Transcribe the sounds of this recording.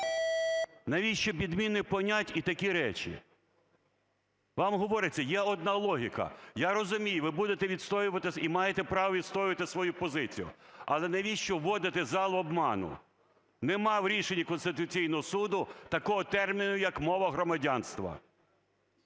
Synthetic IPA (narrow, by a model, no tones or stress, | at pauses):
nɐʋʲiʃt͡ʃɔbʲid̪mʲinɪpɔnʲatʲit̪ɐkʲiɾɛt͡ʃʲḭ | ʋɑmɦɔʋɔɾɪt͡sʲːɐjɛɔd̪̚nɑlˠɔɦʲikɐ̰jaɾɔzʊmʲijʊʋɪbud̪et̪ɛʋʲid̪st̪ɔjʊʋɐt̪ɪimɑjet̪ɛpɾɑʋɔʋʲid̪st̪ɔjɪʋɐt̪ɪsʋɔjupɔzɪt͡sʲijʊ̰ɐlˠɛnɐʋʲiʃt͡ʃɔːɔd̪ɪt̪ɪzɑlˠɔbmɑnʊ̰ | nɛmɑwɾʲiʃenʲːɐkɔnst̪ɪt̪ʊt͡sʲijnɔɦɔsud̪ʊt̪ɐkɔɦɔt̪ɛrmʲinʊjɐkmɔʋɐɦɾɔmɐdʲanst̪ʋɐ̰